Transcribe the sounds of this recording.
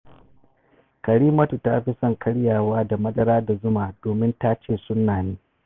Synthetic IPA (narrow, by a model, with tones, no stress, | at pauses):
kɐ˨ɽiː˦mɐ˦tu˨ta˦ɸi˦sɔ˦˨ŋkʰɐ˦ɽjaː˨waː˦da˨mɐ˦dɐ˦ɾaː˦da˨zʊ˦maː˨doː˨mɪ˦nta˦t͡ʃeː˦˨sʊ˦nːaː˨niː˦